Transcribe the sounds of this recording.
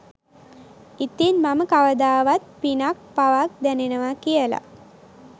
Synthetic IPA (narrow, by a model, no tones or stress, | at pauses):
it̪inmaməkaʋəd̪aːʋat̪̚pinak̚paʋak̚d̪ænenəʋakijəla̰